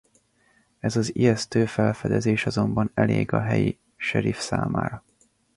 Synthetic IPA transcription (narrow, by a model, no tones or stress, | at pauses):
ɛzɒziɛst̪øːfɛlfɛd̪ɛzeːʃɒzo̞mbɒnɛleːɡɒɦɛji | ʃɛɾifsaːmaːɾɒ